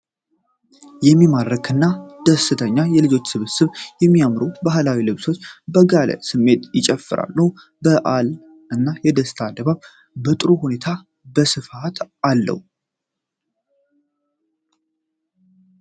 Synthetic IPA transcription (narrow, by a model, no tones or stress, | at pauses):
jɛmːimad̪ɾəkʰɨnːad̪̥əsɨt̪ʰəɲːajɛlɨd͡ʒo̞t͡ʃːsɨβɨsɨβjɛmːijamɾubaɦlawilɨβso̞t͡ʃːbəɡalə̰sɨmːe̞t̪jɪt͡ʃʼɛfːɨɾa̰lːəw | bəʔal | ɨnːajɛd̪əsɨt̪ʰad̪əβaβ | bət̪ʼɨɾohune̞t̪ʰa | bəsɨfat̪ʰalːə̰hu